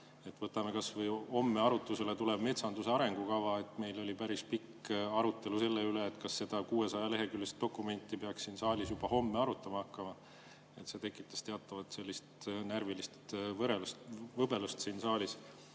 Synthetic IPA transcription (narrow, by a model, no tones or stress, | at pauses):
e̞t̪ːˑvɤt̪ːˑɑme̞kɑsvɤjho̞mːe̞ɑɾut̪ːˑuse̞let̪uleb̥me̞t̪sɑnd̪useɑɾe̞ŋɡ̥ukɑvɑe̞t̪me̞jlo̞lʲipæɾispikɑɾut̪ːˑe̞luse̞lːeyleːt̪ːˑkɑsːe̞d̪̥ɑkuːe̞sɑjɑle̞ɦe̞kylːest̪̚d̥̪o̞kːˑume̞nʲt̪ˑːipeɑkssiːnsɑːlʲisjub̥ɑho̞mːeɑɾut̪ːˑɑmɑɑkːɑmɑ | e̞t̪se̞t̪e̞kːˑit̪ːˑɑ̥st̪e̞ɑt̪ːˑɑvɑt̪se̞lʲːist̪nærvilist̪vɤɾelstvɤbe̞lust̪siːnsɑːlʲis